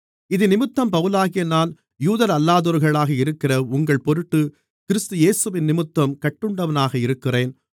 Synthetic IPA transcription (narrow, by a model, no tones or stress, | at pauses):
ɪðɯnɪmɯt̪ːɐmpɐʋɯlaːɣɪjɐnaːn | juːðɐɾɐlːaːðɔːɾɣɐɭaːɣɐɪɾɯkːɪrɐʊŋɡɐɭpɔɾɯʈːɯ | kɪɾɪst̪ɯjeːsɯʋɪnːɪmɯt̪ːɐmkɐʈːɯɳɖɐʋɐnaːɣɐɪɾɯkːɪreːn